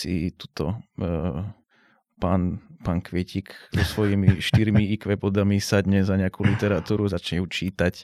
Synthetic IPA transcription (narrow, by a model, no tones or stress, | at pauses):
sḭt̪u̥t̪ɔ | paːnpaːnkʋɪɛcikzɔsʋɔjimiʃt̪iɾmiikʋɛbɔd̪amisad̪ɲɛzaɲɛakulit̪ɛɾat̪uːɾuzat͡ʃɲɛjuːt͡ʃiːt̪ac